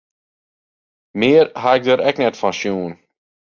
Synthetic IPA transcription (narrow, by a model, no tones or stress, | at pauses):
meːɾhaɛk̚d̪əɾʔɛknɛt̪fɑnʃjuːn